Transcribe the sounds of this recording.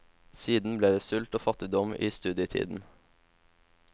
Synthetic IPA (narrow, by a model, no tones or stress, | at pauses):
siːd̪n̩bleːd̪eːsʉlt̪oːfɑt̪ɪd̪ɔmḭːst̪ʉːd̪jət̪ʰḭːd̪n̩